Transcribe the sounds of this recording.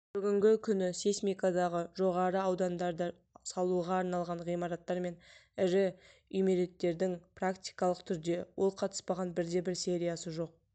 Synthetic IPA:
b̥ʏɡʲɪŋɡʲɪkʲʰʏnɪsesmʲijkad̪ɑʁəʒo̞ʁɑɾəɑwd̪ɑnd̪ɑɾd̪ə | sɑlˠuʁɑːɾnɑlˠʁɑɴʁijmɑɾɑt̪ːɑɾme̞nɪɾɪ | ʏjmeɾe̞t̪ːe̞ɾd̪ɪŋprakt̪ʲijkɑlˠəqt̪ʰʏɾd̪e̞wʔo̞lˠqʰɑt̪ə̥spɑʁɑnbɪɾd̪e̞bɪɾse̞ɾijasəʒo̞q̚

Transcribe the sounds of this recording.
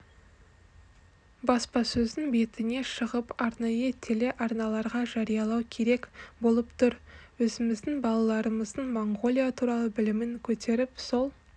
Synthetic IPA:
bɑspɑsɵzɪŋbe̞t̪ɪne̞ʃəʁəpɑɾnɑjət̪ʰele̞ʔɑɾnɑlˠɑɾʁɑʒɑɾijɑlˠɑwkʲʰe̞ɾe̞kbo̞lˠəpt̪ʰʊɾwɵzɪmɪzd̪ɪŋbɑlˠɑlˠɑɾəməzd̪əɴmoɴɡo̞lʲˠijat̪ʰuɾɑlˠəbɪlɪmɪŋkʲʰɵt̪e̞ɾɪpso̞lˠ

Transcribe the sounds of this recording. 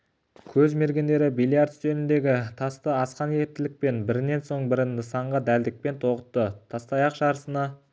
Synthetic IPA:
kʲʰɵzme̞ɾɡʲend̪e̞ɾɪbilˠjiaɾt̪sɵnɪnd̪e̞ɡʲɪt̪ʰɑst̪əɑsqɑneɪp̚t̪ɪlɪk̚pe̞nbɪɾɪne̞nso̞ɴbɪɾɪnɪsɑɴʁɑd̪æld̪ɪk̚pe̞nt̪ʰo̞qə̥t̪ːət̪ʰɑst̪ɑjɑqʃɑɾəsənɑ

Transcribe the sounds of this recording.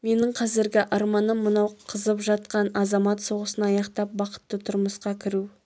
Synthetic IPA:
me̞nɪɴqʰɑzɪɾɡʲɪʔɑɾmɑnəmːənɑwqʰəzəpʒɑt̪̚qɑnɑzɑmɑt̪so̞ʁəsənɑɑjɑqt̪ɑp̚bɑqə̥t̪ːət̪ʰʊɾməsqɑkʲʰɪɾu

